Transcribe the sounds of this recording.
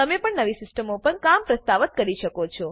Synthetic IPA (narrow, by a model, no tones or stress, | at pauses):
əmepəɳnəʋisɪsʈəmopəɳkampɾəst̪aʋət̪̚kəɾiʃəkot͡ʃʰɔ